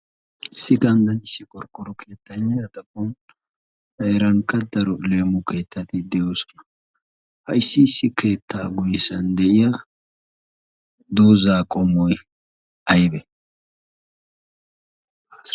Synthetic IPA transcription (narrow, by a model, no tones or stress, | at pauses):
ɪsːɪɡɐnd̪ɐnɪsːɪkʼɔɾkʼːɔɾɔkʰe̞ːt̪ːɐɲːɐjɐt̪ɐkːɔn | ɐjɛɾɐŋkːɐd̪ɐɾɔle̞ːmʊke̞ːt̪ːɐt̪ɪd̪ɛjoːsɔ̥nɐ̥ | hɐjɪsːɪːsːɪke̞ːt̪ʰːaːɡʊjɛsɐnd̪ɛʔɪjɐ | d̪oːzaːkʼɔmːɔj | ɐjbɛ